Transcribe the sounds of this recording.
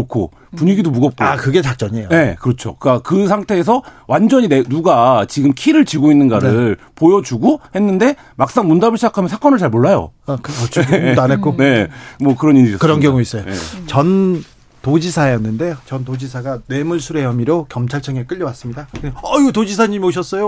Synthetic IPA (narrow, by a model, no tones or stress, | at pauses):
kʰo̰ | puɲiɡidomuɡʌp̚k͈oakɯɡe̞t͡ɕak̚t͡ɕ͈ʌɲejoe̞kɯɾʌt͡ɕʰo̰kɯk͈akɯsʰaŋtʰe̞ːs̬ʰʌwʔand͡ʑʌɲinenuɡat͡ɕiɡɯmkʰiɾɯɭt͡ɕiɡoinːɯnɡaɾɯɭ | pojʌd͡ʑuɡohe̞nːɯnde̞ | mak̚s͈aŋmundabɯɭɕʰid͡ʑakʰamjʌnsʰak͈ʌnɯɭt͡ɕaɭmoɭːajo̰kt͡ɕʰanek͈one̞mwʌkɯɾʌniɾiʌskɯɾʌnkjʌŋuis͈ʌjojḛt͡ɕʌn | tod͡ʑisʰaejʌnːɯnde̞t͡ɕʌntod͡ʑisʰaɡane̞muɭsʰuɾe̞ʌmiɾokjʌmt͡ɕʰaɭt͡ɕʰʌŋek͈ɯʎːjʌwas͈ɯmɲidakʌiɡetod͡ʑisʰaɲimioɕ̬ʰʌs͈ʌjo